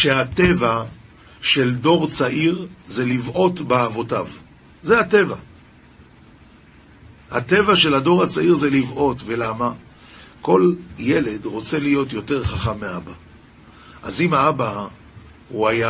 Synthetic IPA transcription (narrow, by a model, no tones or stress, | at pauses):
ʃe̞ate̞va | ʃe̞ldo̞ʁt͡saʔiʁze̞livʔo̞tbeavo̞tav | zeate̞va | hate̞vaʃe̞lhado̞ʁat͡saiʁzelivʔo̞tve̞lama | ko̞lje̞le̞dʁo̞t͡se̞lijo̞tjo̞te̞ʁχaχamːeaba | ʔazimaaba | huaja